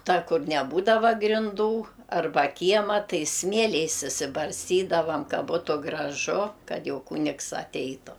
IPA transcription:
ˈtɐ ˈkʊr nʲɛˈbuːdɐʋɐ ɡrʲɪnˈduː ɐrˈbɐ ˈkʲiɛmɐ ˈtɐɪ ˈsʲmʲiɛlʲɛɪs ɪʃʲsʲɪbɐrʲsʲˈtʲiːdɐʋɐm ˈkɐ ˈbuːtʊ ɡrɐˈʒʊ ˈkɐt ˈjɛʊ ˈkʊnʲɪks ɐˈtʲɛɪtʊ

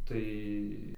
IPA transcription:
ˈtɐɪ

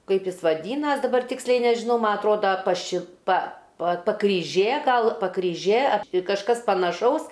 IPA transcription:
ˈkɐɪp ˈjɪs ʋɐˈdʲiːnɐs dɐˈbɐr ˈtʲɪksʲlʲɛɪ nʲɛʒʲɪˈnɐʊ ˈmɐ ɐtˈroːdɐ pɐˈʃʲɪ pɐ pɐ pɐkrʲiːˈʒʲeː ˈɡɐlˠ pɐkrʲiːˈʒʲeː ɐp tʲɪ kɐʃˈkɐs pɐnɐˈʃɐʊs

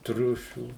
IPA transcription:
ˈtʲrʲʊʃʲuː

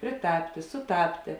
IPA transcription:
pʲrʲɪˈtɑːpʲtʲeː sʊˈtɑːpʲtʲeː

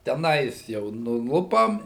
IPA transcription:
tʲɛˈnɐɪs jɛʊ nʊˈlˠʊpɐm

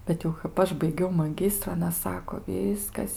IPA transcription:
bʲɛt jɛʊ kɐp ˈɐʃ bɐɪˈɡʲɛʊ mɐˈɡʲɪstrʊ ɐˈnɐ ˈsɑːkoː ˈʋʲiːskɐs

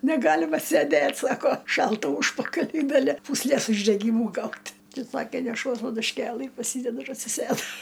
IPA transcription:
nʲɛˈɡɑːlʲɪmɐ sʲeːˈdʲeːtʲ ˈsɑːkoː ˈʃɐlˠtɐ ˈuːʃpɐkɐlʲʊɪ ɡɐˈlʲɪ puːsʲˈlʲeːs ʊʒʲdʲɛˈɡʲiːmʊ ˈɡɐʊtʲ ˈtɐɪ ˈsɑːkʲeː nʲɛˈʃuɔs pɐdʊʃʲˈkʲeːlˠɨ pɐˈsʲiːdʲɛdʊ ɪr ɐtʲsʲɪˈsʲeːdʊ

